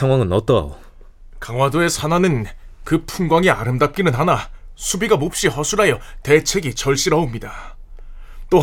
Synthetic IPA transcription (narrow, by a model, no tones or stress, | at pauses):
sʰaŋwaŋɯnʌt͈ʌa̰o | kaŋwadoe̞sʰananɯnkɯpʰunɡwaŋiaɾɯmdap̚k͈inɯnɦanasʰubiɡamop̚ɕ͈ihʌsʰuɾajʌte̞t͡ɕʰwe̞ɡit͡ɕʌɭɕ͈iɾʌomɲida | t͈o